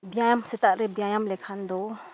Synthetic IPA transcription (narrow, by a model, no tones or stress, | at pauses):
bijajamsɛt̪aʔɾɛbjajamlɛkʰand̪ɔ